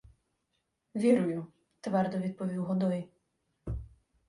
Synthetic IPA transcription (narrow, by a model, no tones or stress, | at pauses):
ʋʲiɾʊjʊ | t̪ʋɛɾd̪ɔʋʲid̪̚pɔʋʲiwɦɔd̪ɔj